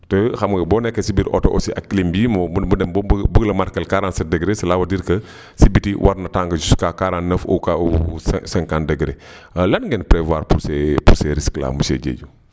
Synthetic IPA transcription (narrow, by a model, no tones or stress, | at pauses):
təxɐmɡɐbɔːnɛkːɐsibitʔɔ̰tɔʔɔ̰siʔa̰kːlimbiːmɔudɛmbbəɡlɐmaɾkɐlkaɾansɐdɛɡɾesɐlawɐdiɾkɐ | sibitiwʔaɾnɐtaːŋɡəd͡ʒuskaːkaɾanːɐfo̰kausɛsɛŋkandɛɡɾe | lɐnŋɡɛnpɾɛvaːɾpuɾsɛpuɾsɛɾiskla̰ːmusḛɟḛːɟu